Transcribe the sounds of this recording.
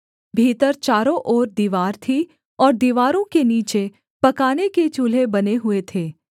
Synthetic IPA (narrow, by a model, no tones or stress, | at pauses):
bʱiːt̪əɾt͡ʃaːɾõʔɔːɾd̪iːʋaːɾt̪ʰi | ɔːɾd̪iːʋaːɾõkeniːt͡ʃe | pɐkaːneket͡ʃuːl̤ebɐneɦʊet̪ʰeː